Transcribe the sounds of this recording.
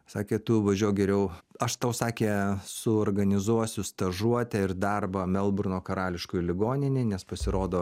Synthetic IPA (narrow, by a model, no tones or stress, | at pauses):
sɑːkʲeːt̪ʊʋɐʒʲuɔjɡʲɛɾʲɛʊɐʃt̪ɐʊsɑːkʲeːsʊoːrɡɐnʲɪzuɔsʲʊst̪ɐʒuɔt̪ʲɛɪrd̪ɐrbɐmʲɛlˠbɾʊnoːkɐɾɑːlʲɪʃkʊjlʲɪɡoːnʲɪnʲɪnʲɛspɐsʲɪɾoːd̪oː